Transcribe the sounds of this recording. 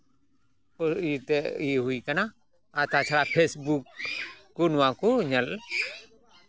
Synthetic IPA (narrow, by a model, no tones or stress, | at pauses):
ɔsit̪ɛiɦuikəna | at̪at͡ʃʰaɾapʰesbuk̚ː | unuwakuɲəl